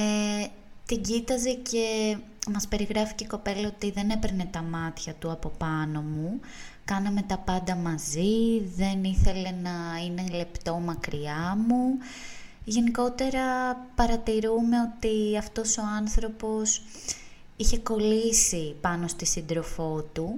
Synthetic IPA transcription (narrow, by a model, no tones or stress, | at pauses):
e | t̪iɲɟit̪ɐze̞ce̞mɐspe̞ɾiɣɾɐfi̥ceiko̞pe̞lɐo̞t̪iðe̞ne̞peɾne̞t̪ɐmɐt̪çɐt̪uɐpo̞pɐno̞mu | kɐnɐme̞t̪ɐpɐnd̪ɐmɐziðe̞niθe̞le̞nɐine̞le̞pt̪o̞mɐkɾiɐmu | ʝe̞niko̞t̪e̞ɾɐpɐɾɐt̪iɾume̞o̞t̪iɐft̪o̞so̞ɐnθɾo̞po̞s | içe̞ko̞lisipɐno̞st̪isind̪ɾo̞fo̞t̪u